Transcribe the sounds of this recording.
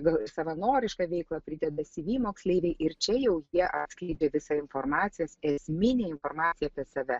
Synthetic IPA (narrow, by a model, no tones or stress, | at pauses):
ɡɐlˠɪsɐʋɐnoːɾʲɪʃkɐʋʲɛɪklˠɐpʲɾʲɪd̪ʲɛd̪ɐsʲɪʋʲiːmoːksʲlʲeɪʋʲɛɪʔɪɾt͡ʃʲɛjɛʊjiɛʔɐt̪ʲsklʲɛɪd͡ʒʲeːʋʲɪsɑɪnformɑːt̪sʲɪjoːsɛsʲmʲɪnʲeːɪnfoːrmɑːt͡s̪ʲɪjɛaːpʲiɛsɐʋʲɛ